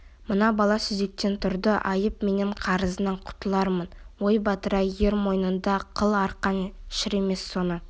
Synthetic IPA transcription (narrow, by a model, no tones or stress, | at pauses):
mənɑbɑlˠɑsʏze̞k̚t̪e̞nt̪ʰʊɾd̪əʔɑjəpme̞nɪɴqʰɑɾəzənəɴqʰʊ̥t̪əlˠɑɾmənwo̞jbɑt̪əɾɑje̞ɾmo̞jnənd̪ɑqʰəlˠɑɾqɑnʃɪɾe̞me̞sːo̞nə